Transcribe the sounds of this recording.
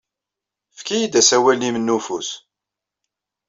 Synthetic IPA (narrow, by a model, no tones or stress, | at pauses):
fkijid̪æsæwælnimənːufus